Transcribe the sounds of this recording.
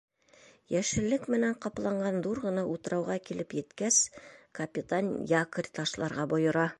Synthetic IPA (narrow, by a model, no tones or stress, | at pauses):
jæʃɘ̆lːɘkmɘ̆næɴqɑplˠɑɴɢɑnd̪uɾʁɤ̆nɑʔut̪ɤ̆ɾɑwʁɑkilʔɘpjɘ̆t̪kæskɐpʲɪt̪anjakrʲt̪ɑʃlˠɑɾʁɑbŏjɤ̆ɾɑ